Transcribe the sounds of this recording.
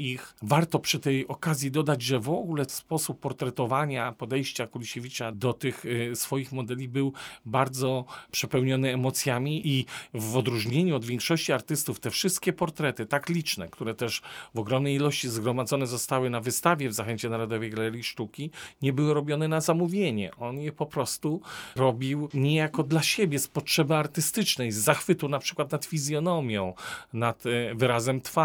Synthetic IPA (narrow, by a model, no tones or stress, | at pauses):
ixvaɾt̪ɔpʂɘt̪ɛjɔkazʲjid̪ɔd̪ad͡ʑʐɛvɔɡulɛspɔsupːɔɾt̪ɾɛt̪ɔvaɲapɔd̪ɛjɕt͡ɕakulʲiɕevʲit͡ʂad̪ɔt̪ɘxsfɔjixmɔd̪ɛlʲibɘwbaɾd̪zɔpʂɛpɛwɲɔnɘːmɔt̪sʲjamʲiʔivɔd̪ɾuʐɲeɲuɔd̪vʲjɛŋkʂɔɕt͡ɕiaɾt̪ɘst̪uft̪ɛfʂɘst̪̚kʲɛpɔɾt̪ɾɛt̪ɘt̪aklʲit͡ʂnɛkt̪uɾɛt̪ɛʐvɔɡɾɔmnɛjilɔɕt͡ɕizɡɾɔmad̪zɔnɛzɔst̪awɘnavɘst̪avʲjɛvzaxɛɲt͡ɕɛnaɾɔd̪ɔvɛjɡalɛɾʲjiʂt̪ukʲiɲɛbɘwɘɾɔbʲjɔnɛnazamuvʲjeɲɛ̰ʔɔnjɛpɔpɾɔst̪uɾɔbʲiwɲɛjakɔd̪laɕebʲjɛspɔtʂɛbɘaɾt̪ɘst̪ɘt͡ʂnɛjzaxfɘt̪ɔwnapʂɘ̥kwat̪nat̪fʲizʲjɔnɔmʲjɔ̃w̃nat̪vɘɾazɛmt̪fa